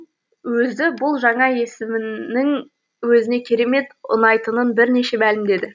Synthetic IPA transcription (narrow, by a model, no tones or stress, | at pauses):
wɵzɪbʊlˠʒɑɴɑje̞sɪmɪnɪŋ | wɵzɪne̞kʲʰe̞ɾe̞me̞t̪ʊ̰nɑjt̪ənənbɪɾne̞ʃe̞mælɪmd̪e̞d̪ɪ